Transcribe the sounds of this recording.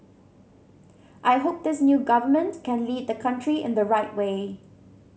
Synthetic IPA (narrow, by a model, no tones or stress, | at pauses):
ʔaɪɦop̚d̪ɪsnjuːɡʌvəmə̃ntkʰɛ̃nliːd̪̚dəkʰʌ̃ntʰɹiɪ̰̃nd̪əɹaɪtweː